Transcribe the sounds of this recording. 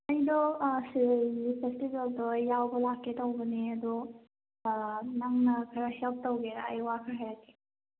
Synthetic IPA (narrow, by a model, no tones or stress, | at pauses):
ɐjdɔsiɡipʰestibeldɔjawbɐlakːetowbɐniɐd̪u | naŋnɐkʰɐɾahelp̚towɡeɾaɐ̰jwakʰɐɾɦajɾatːi̥